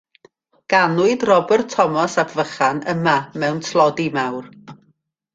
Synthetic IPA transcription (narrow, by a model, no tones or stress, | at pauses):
ɡ̥anʊɨdrɔbɛrtʰɔmɔsabvəχanəmamɛwntʰlˠɔdimawr